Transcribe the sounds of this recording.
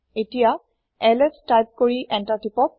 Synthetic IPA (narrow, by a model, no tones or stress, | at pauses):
etija | ɛlestajp̚koɹiʔɛntatipɔk̚